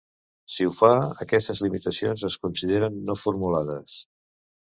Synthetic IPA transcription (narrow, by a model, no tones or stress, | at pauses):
siufaəkɛst̪əzlimit̪əsionzəskunsiðeɾənːofuɾmulað̞əs